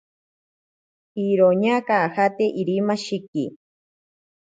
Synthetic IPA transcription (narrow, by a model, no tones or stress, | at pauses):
iɾoɲakahat̪eʔiɾimaʃikḭ